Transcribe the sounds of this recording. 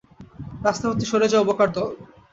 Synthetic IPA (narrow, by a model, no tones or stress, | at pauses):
ɾast̪ʰapot̪iʃoɾed͡ʑaobokaɾt̪ɔ